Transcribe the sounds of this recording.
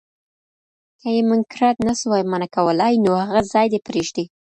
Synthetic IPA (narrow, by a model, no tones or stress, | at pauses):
kajemɪŋkɾɑt̪naswɑjmanakawəlajnohaɣazɑjd̪epɾeʒd̪i